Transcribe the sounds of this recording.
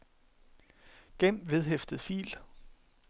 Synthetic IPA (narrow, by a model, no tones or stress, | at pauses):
ɡ̥em̰ʋe̝ð̞ˠɦefd̥əð̩ˠfḭːl